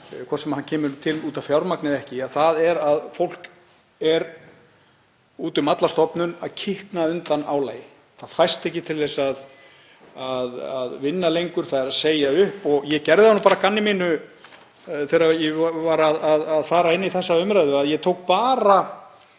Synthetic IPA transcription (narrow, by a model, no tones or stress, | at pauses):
kʰɔɾ̥sɛmhancʰɛːmʏɾt̪ʰɪluːt̪av̥fjawɾmaknɪðɛhcɪaðθaðɛɾaðfowl̥k | ɛɾ | uːt̪ʏmat̪last̪ɔpnʏnaðcʰɪhknaʏnt̪ana̰wleːj | θaðfajst̪ɛhcɪt̪ʰɪlθɛsað | aðaðvɪnːalejŋkʏɾ̥θaðɛɾaðseːjaʏhpɔɣjɛcɛɾðɪðhanːupaːɾakanːɪmiːnʏ | θejɾajɛvaːɾaðaðaðfaːɾaɪnːiθɛsːaʏmɾajðʏaðjɛt̪ʰowk̚paːɾa